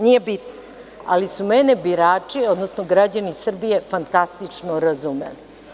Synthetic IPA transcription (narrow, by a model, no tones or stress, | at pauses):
nijebit̪no | a̰lisumenebiɾaːt͡ʂio̞d̪nosnoɡɾad͡ʑanisr̩bije̞fant̪ast̪it͡ʂnoɾazumḛli